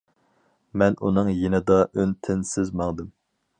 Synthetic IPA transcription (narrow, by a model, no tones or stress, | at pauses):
mɛnunɨŋjenɪd̪ɑʔønt̪ʰɪnsɪzmɑŋd̪ɨm